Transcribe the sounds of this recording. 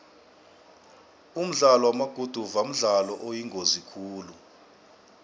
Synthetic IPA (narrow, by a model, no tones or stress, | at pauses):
um̩ɮalɔwamaɡ̥ʱud̥ʱuvam̩ɮalɔʔojiŋɡʱozikʰuːlu